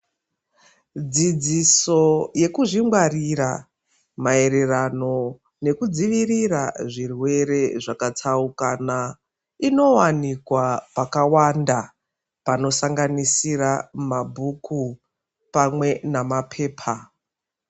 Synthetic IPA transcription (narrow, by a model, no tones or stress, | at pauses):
d͡zid͡ziso̞je̞kuʐiŋɡwariɾa̰ | mae̞ɾe̞rano̞ | ne̞kud͡ziʋiriraʐirwe̞ɾe̞ʐakatʰaukana | ino̞wanikwapakawanda | pano̞saŋɡanisiramabʱukʰu | pamwe̞namapʰe̞ːpʰa